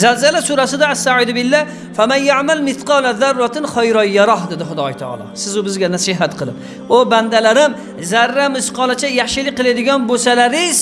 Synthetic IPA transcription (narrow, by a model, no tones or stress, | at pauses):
zalzalasuɾasɪd̪aːsːaʕɪd̪bɪlːa | famanjaʕmalmɪt̪qɑːlaðarːɑt̪ʰɪnχɒjɾɒjɑɾɑɦd̪ɪd̪ɪχʊd̪ɒjt̪ʰɑ̰ɑ̰lˠɒ̰sɪzʊbɪzɡʲanasɪɦat̪qʰɨlˠɪp | oband̪alaɾɪm | zaɾːamɪsqʰɑlˠat͡ʃʰajaχʃɪlɪk̚ʲqɨlad̪ɪɡʲɒnbosalaɾɪz̥